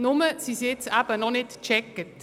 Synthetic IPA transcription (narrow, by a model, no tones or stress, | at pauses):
nʊməsiset͡sab̥ənɔχnɪtt͡ʃɛkət